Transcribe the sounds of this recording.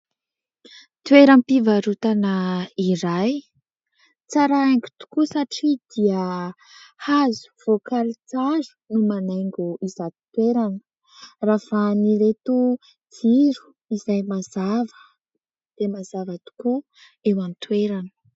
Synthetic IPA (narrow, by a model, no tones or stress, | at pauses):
t̪ueɾampivaɾut̪anəiɾaj | t͡saɾaaŋɡi̥t̪u̥kusaʈ͡ʂid̪̥iə | hazu̥v̥okalit͡sazu̥numanaŋɡuizat̪t̪weɾanə̥ | rafaniɾet̪u | d͡ziɾu̥ | izajmazavə̥ | d̪̥emazavət̪u̥ku | ewanit̪weɾanə̥